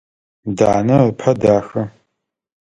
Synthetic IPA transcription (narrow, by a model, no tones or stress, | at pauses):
daːnɐpʰɐdaːxɐ